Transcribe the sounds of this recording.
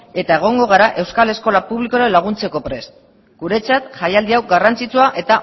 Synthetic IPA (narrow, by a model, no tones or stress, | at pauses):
e̞t̪ae̞ɣ̞o̞ŋɡo̞ɣ̞aɾaʔe̞wskale̞sko̞lapuβliko̞ɾenlaɣ̞unt͡se̞ko̞pɾe̞s | ɡ̥uɾe̞t͡sat̪ʝajald̪iawɡarant͡sit͡suaʔe̞t̪a